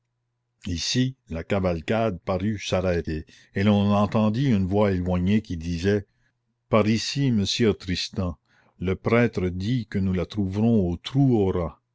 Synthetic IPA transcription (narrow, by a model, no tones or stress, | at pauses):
isilakavalkad̪̚paʁysaʁɛːt̪e | elɔ̃nɑ̃t̪ɑ̃d̪iynvwaelwaɲekʲid̪iːzɛ | paʁisiməsjøt̪ɾist̪ɛ̃ | ləpɾɛːt̪ɾəd̪ikənulat̪ɾuvɾɔ̃ot̪ɾuɔɾa